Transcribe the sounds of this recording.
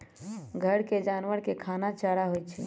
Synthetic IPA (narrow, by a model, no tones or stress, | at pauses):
ɡʱəɽked͡ʒaːnʋəɾkekʰaːnat͡ʃaɽaɦojt͡ʃʰḭ